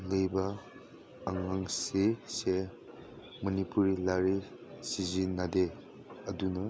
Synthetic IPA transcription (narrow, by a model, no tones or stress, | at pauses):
ləjbɐː | ŋaŋsese | mɐnipuɾilaɾi | sizinade | ɐdunɐ